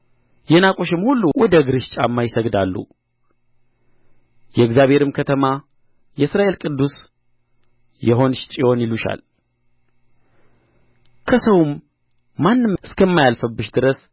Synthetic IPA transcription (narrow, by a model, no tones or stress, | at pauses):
jɛnakʼoʃɨmhulːuwɔd̪əɡɨɾɨʃt͡ʃʼamːajɪsəɡd̪alːṵ | jɛɨɡzjaβhe̞ɾɨmkʰət̪ʰəma | jɛɨsɾaʔe̞lkʼɨd̪ːus | jɛɦo̞nʃt͡ʃʼijo̞njɪluʃa̰l | kʰəsəwmː | anːɨmɨskʰəmːajalfəbːɨʃd̪ɨɾəs